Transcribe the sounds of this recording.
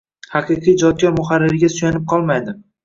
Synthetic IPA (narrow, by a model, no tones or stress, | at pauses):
hɑqʰɨqʰijd͡ʒɒd̪̚kʲɒɾmʊχaɾːɪɾɪɡʲasʊjanɪp̚qʰɒlˠmajd̪ɪ